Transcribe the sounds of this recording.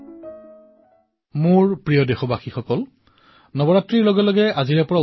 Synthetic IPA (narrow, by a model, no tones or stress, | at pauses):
mʊɹpɹijɔdexɔbaxixɔkɔl | nɔbɔɹatɹiɹlɔɡɛlɔɡɛaziɹɛpɔɹa